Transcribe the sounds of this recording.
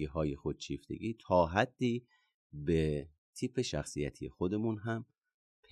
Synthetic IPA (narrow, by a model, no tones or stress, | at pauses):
iːɦɒːjexod̪̥̚t͡ʃʰiːft̪ʰe̞̰ɡiːt̪ʰɒːɦæd̪̥ːiː | be | t̪ʰiːpʰe̞ʃæxsijæt̪ʰijexod̪e̞munɦæm | pʰe